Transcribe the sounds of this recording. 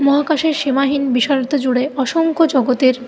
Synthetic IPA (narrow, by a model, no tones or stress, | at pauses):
mɔɦakaʃeɾʃemaɦinbiʃaɾot̪od͡ʑuɽeɔʃoŋkʰod͡ʑɔɡot̪eɾ